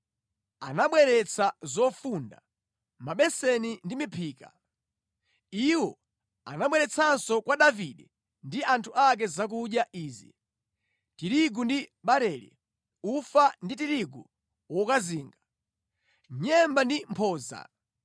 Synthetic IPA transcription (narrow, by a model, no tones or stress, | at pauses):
a̰naɓwɛɾɛt͡sʰazɔfunda̰ | maɓɛsɛnindimipʰiːka̰ | iwɔ | a̰naɓwɛɾɛt͡sʰansɔkwaɗaviɗɛ | ndiʔantʰuak̬ɛzak̬uɗjaʔiːzḭ | tiɾiɡundiɓaɾɛːlḭ | ufandit̬iɾiɡṵ | wɔkaziːŋɡḁ | ɲɛmbandimpʰɔːza̰